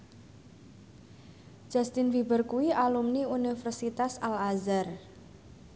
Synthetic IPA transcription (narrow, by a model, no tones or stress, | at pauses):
d͡ʒ̥a̤st̪infibərkuwiʔalumniunifərsit̪asalazar